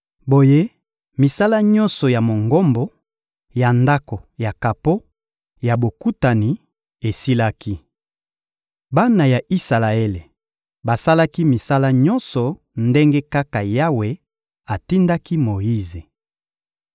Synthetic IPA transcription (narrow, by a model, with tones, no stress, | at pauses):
bo˨je˦ | mi˨sa˦la˦ɲɔ̃˦nsɔ˨ja˨mo˨ŋɡɔ˦mbɔ˨ | ja˨nda˦ko˨ja˨ka˨po˦ | ja˨bo˨ku˦ta˨ni˨ | e˨si˦la˦kʰi˦ | ba˦na˨ja˨ʔi˦sa˨la˨e˦le˨ | ba˨sa˦la˦ki˦mi˨sa˦la˦ɲɔ˦nsɔ˨ | nde˦ŋɡe˦ka˦ka˨ja˦we˨ | a˨ti˦nda˦ki˦mo˨i˦ze˨